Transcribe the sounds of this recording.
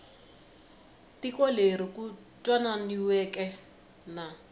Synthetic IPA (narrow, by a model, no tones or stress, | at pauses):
tikɔleɾiku | tʼwananiwɛkʼɛ | na